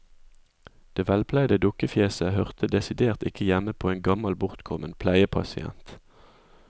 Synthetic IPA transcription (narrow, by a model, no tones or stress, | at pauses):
d̪̥eːʋɛlpʰlæɪd̪əd̪ʊkəfjeːsəhœʁt̪ʰəd̪ɛsɪd̪eːʁt̪ɪkəjæməpʰoːeːnɡɑmɑlbʊʁt̪kʰɔmənpʰlæɪəpʰɑ̰sɪɛ̰nt̪